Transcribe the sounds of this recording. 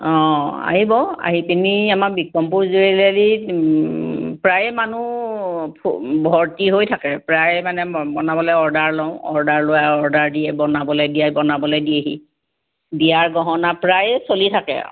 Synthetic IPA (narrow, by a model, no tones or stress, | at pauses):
ɔ̃a̰ɦibɔa̰ɦipiniamakbikːɔmpuɹzuelɛli | pɹajmanu | pʰbʱɔɹtiɦojtʰakɛpɹajmanɛbɔnabɔlɔjɔɹdaɹlɔʊ̃ɔɹdaɹlojaɔɹdaɹdiɛbɔnabɔlɔjdijajbɔnabɔlɔjdieɦḭ | bijaɹɡɔɦɔnapɹajsolitʰakɛ̰